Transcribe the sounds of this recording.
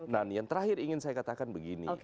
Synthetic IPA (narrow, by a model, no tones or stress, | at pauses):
nanjaŋt̪əɾahɪɾiŋɪnsajakat̪akanbəɡinḭ